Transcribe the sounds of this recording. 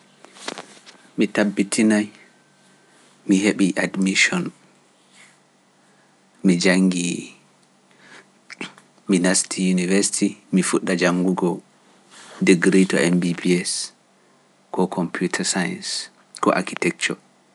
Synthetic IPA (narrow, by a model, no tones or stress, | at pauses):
mitabːitʰinaj | miɦeɓiʔadmiʃɔn | mid͡ʒaŋɡi | minastʰijunivɛɾsi̥timifuɗːad͡ʒaŋɡuɡɔ | diɡɾitɔ̰ɛmbibiɛs | kɔkʰɔmpʰjutʰasaja̰ns | kɔ̰ʔa̰kitɛk̚t͡ʃɔ